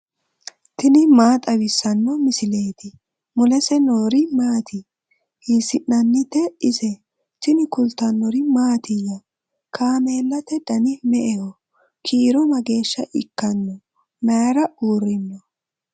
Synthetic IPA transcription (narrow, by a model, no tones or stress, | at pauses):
t̪ɪnɪmaːt̪ʼɐwɪsːɐnːɔmɪsɪle̞ːt̪ɪ | mʊlɛsɛnoːɾɪmaːt̪ʰɪ | hisɪnːɐnːɪt̪ːɛɪsɛ | t̪ɪnɪkʊlt̪ːɐnːɔɾɪmaːt̪ɪjɐ | kʰaːmeːlːɐt̪ɛd̪̥ɐnɪmɛʔɛhɔ | kʰiːɾɔmɐɡe̞ːʃːɐʔɪ̰kːɐnːɔ | mɐjɾɐuːɾɪnːɔ